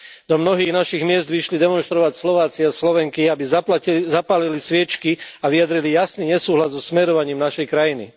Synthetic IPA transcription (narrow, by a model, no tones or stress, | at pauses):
d̪ɔmnɔɦiːɣnaʃiɣmɪɛzd̪ʋiʃlid̪ɛmɔnʃt̪ɾɔʋacslɔʋaːt͡siaslɔʋɛŋkiabizzapaːlilisʋɪɛt͡ʃkiaʋijad̪ɾilijasniːɲɛsuːɦlazɔsmɛɾɔʋaɲiːmnaʃɛjkɾajinḭ